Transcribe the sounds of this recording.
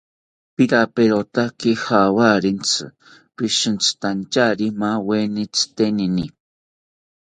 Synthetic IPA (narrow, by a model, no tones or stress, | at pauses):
piɾapeɾot̪akihawaɾint͡sʰɨ̰ | piʃɨnt͡sʰɨ̥t̪ant͡ʃaɾimawenit͡sʰɨ̥t̪enini